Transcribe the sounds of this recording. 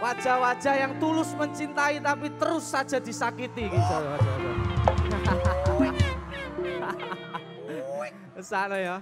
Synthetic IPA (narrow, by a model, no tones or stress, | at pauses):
wad̥ʒ̥awad̥ʒ̥a̤jaŋt̪ulʊsməɲt͡ʃint̪ait̪apit̪əɾʊsːad̥ʒ̥a̤d̪̥i̤sakit̪iɡit̪ɔjwad͡ʒʒ̥atɔ | əsanəjo